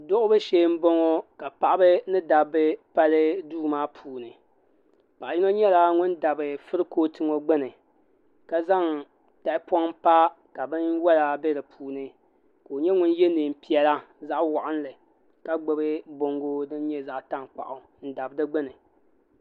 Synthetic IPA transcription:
dʊ˦ʔʊ˦bɨ˦ʃe˦m̩˦bo˦ŋɔ˦ka˨pa˨ʔa˦bɨ˦nɨ˦da˨bɨ˦pa˦lɨ˦duː˦maː˦pʰuː˨nɨ˨ | pa˨ʔji˦no˦ɲɛ˦la˦ŋʊ˦nda˨bɨ˨fɨ˦ɾɨ˦koː˦tɨ˦ŋo˦ɡ͡bɨ˦nɨ˨ | ka˦za˦ŋ | ta˨ɪ˦pɔ˦ŋpa˦ | ka˨bɨ˦nwɛ˦la˨bɛ˦dɨ˨pʰuː˨nɨ˨ | ko˨ɲɛ˦ŋʊ˦n˦jɛ˦nɨː˨m̩˨pi˨ɛ˨la˦za˦ʔwa˨ʔa˦n˦lɨ˨ | ka˦ɡ͡bɨ˨bɨ˦bo˨ŋɡo˦dɨ˦n˦ɲɛ˦za˦ʔta˦ŋk͡pa̰˨ʔʊ˨ | n̩˦da˨bdɨ˦ɡ͡bɨ˦nɨ˨

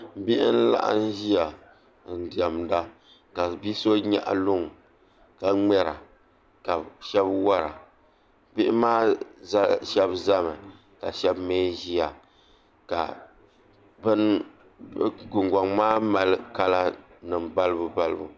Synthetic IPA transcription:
bi˦ʔɪ˦n˦la̰˦ʔa̰˦n˦ʒi˦a˨ | n̩˨di˨a˨mda˦ | ka˨bi˦so˦ɲa̰˦ʔa̰˨lʊ˦ŋ˨ | ka˨ŋ͡mɛ˦ɾa̰˨ | ka˨ʃɛ˦bwa˦ɾa̰˨ | bɪ˦ʔɪ˦maː˦za˦ʃɛ˦bza˦mɨ˨ | ka̰˨ʃɛ˦bmeː˦ʒi˦a˨ | ka̰˨ | bɨ˦n | ɡʊ˨ŋɡa˨ŋmaː˦ma˨lɨ˦ka˦la˦ | nɨ˨mba˦lɨ˦bu˦ba˦lɨ˦bu˦

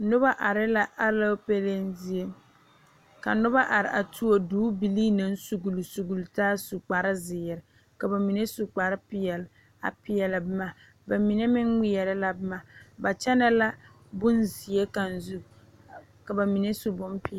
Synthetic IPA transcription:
nʊ˦ba˦ʔa˨ɾɪ˦la˦ʔa˦la˦pe˦le˦nzi˦je˦ | ka̰˨nʊ˦ba˦ʔa˨ɾɪ˨ʔa˨tʰu˦o˦duː˦bi˨liː˦na˦n˦su˨ɡu˨lu˨su˨ɡu˨ltaː˦su˨k͡pa˨ɾɪ˦zɪ˨ɪ˨ɾɪ˨ | ka˨ba˨mi˨ne˦su˨k͡pa˨ɾɪ˦pɪ˨jɛ˨l | a̰˨pɪ˨jɛ˨lɪ˨bɪ˦ma˨ | ba˨mi˨ne˦mɪ˦ŋŋɪ˦jɛ˨ɾɪ˦la˦bɪ˦ma˨ba˨t͡ʃɛ˦na˦la˦ | bʊ˦nzi˨je˦ka˨n˨zu˦ | ka˨ba˨mi˨ne˦su˨bʊ˦mpɪ˦˨

